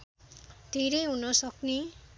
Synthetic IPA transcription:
d̪̥ʱeɾʌjɦunʌsʌkni

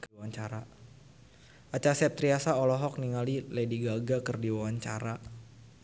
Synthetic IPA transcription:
kwaɲt͡ʃaɾa | at͡ʃasɛp̚t̪ɾiasaɔlɔɦɔk̚niŋalilediɡaɡakərdiwawaɲt͡ʃaɾa

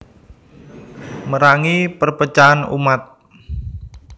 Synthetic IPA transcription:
məɾaŋipərpət͡ʃaːnṵmat̪̚

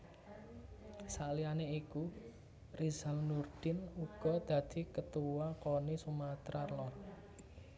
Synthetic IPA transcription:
salianeiku | rizalnurd̪̥ɪnuɡ̥ɔ̤d̪̥a̤d̪̥i̤kət̪uwakonisumat̪ɾarlɔ

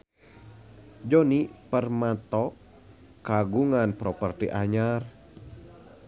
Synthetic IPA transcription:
d͡ʒɔnipərmat̪ɔ | kaɡuŋanpɾɔpərt̪ḭʔaɲar

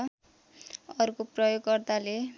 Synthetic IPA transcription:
ʌrukoprʌjoɡkːʌrt̪ale

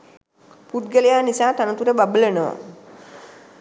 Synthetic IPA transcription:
pud̪ɡəlejaːnisaːt̪anət̪uɾəbabələnəʋa̰

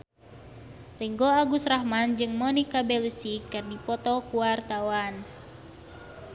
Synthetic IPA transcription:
riŋɡoaɡusrahmand͡ʒɨŋmɔnikabɛlusikɨrdipɔt̪ɔkuwart̪awan

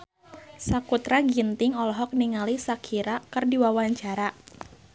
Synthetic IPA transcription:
sakut̪ɾaɡint̪ɪŋɔlɔɦɔk̚niŋalisakʰiɾakərdiwawaɲt͡ʃaɾa

